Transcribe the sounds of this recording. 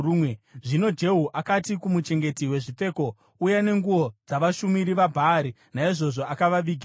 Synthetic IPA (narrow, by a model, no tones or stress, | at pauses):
ueʐino̞d͡ʒe̞ɦuʔakatikumut͡ʃe̞ŋɡe̞tiwe̞ʐip͡fe̞ːko̞ | ujane̞ŋɡuo̞d͡zaʋaʃumiɾiʋabʱaːɾi | naiʐo̞ʐo̞akaʋaʋiːɡʱia